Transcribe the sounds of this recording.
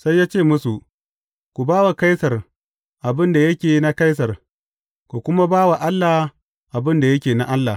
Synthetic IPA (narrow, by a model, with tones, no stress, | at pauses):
sa˦jːaː˦t͡ʃeː˦˨mʊ˦su˨ʔ | kʷu˨baː˦wa˨ka˦jsɐ˨r | ʔa˨bɪ˦nda˨jɐ˦kʲeː˨na˦ka˦js̬ɐ˨r | kʷu˨kʷʊ˦ma˦baː˦wa˨ʔa˦lːa˨ | ʔa˨bɪ˦nda˨jɐ˦kʲeː˨na˦ʔa˦lːa˨h